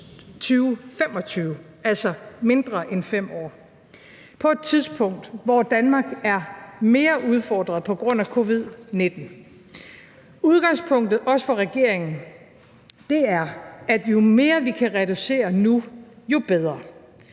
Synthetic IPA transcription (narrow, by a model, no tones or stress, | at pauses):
t͡sʰyːʊfemɒ̽t͡sʰyːʊ | æl̰sɒme̝nd̥ʁɐʔenfem̰ɒ̰ː | pʰɒ̽e̝d̥̚t͡sʰið̞ˠspʰɔ̽ŋ̰d̥ʋɒd̥ænmɑ̈ːɡ̥æɐme̝ːɐʔuð̞ˠfɒːd̥ʁɐð̩ˠpʰɒ̽ɡ̥ʁɔ̽n̰ækʰo̝ːʋið̞ˠne̝d̥n̩ | uð̞ˠɡ̥ɑ̈ŋspʰɔ̽ŋ̰d̥ð̩ˠʔɒ̽sə̥fɒ̽ʁɛɡ̥e̝ɐ̰eŋn̩ | d̥e̝æɐæd̥jo̝me̝ːɐʋikʰæʁɛɾ̥use̝̰ːɐnujo̝b̥eð̞ˠʁɐ